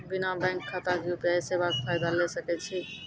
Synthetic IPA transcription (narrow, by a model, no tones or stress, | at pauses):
binabãŋkʰːat̪akeupjajsebak̪̚pʰajd̪alɛsəkɛt͡ʃʰi